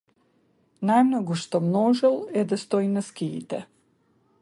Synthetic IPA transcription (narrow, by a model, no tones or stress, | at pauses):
najmnɔɡuʃt̪ɔmnɔʒɛlˠɛd̪ast̪ɔinaskḭːt̪ɛ